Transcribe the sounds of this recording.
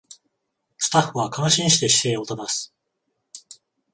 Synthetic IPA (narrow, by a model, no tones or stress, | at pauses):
sɨ̥t̪aɸɯ̟βakãɰ̃ɕĩɰ̃ɕi̥t̪e̞ɕi̥se̞ːo̞t̪ad̪asɨ̥